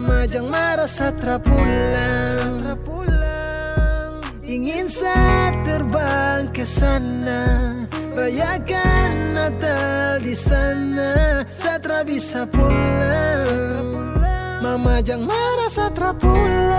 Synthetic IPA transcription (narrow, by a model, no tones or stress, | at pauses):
mad͡ʒaŋmaɾasat̪ɾapulaŋapula | ŋ | iŋinsat̪ərbaŋkəsana | rajakanːat̪aldisanasat̪ɾabisapulaŋ | mamad͡ʒaŋmaɾasat̪ɾapula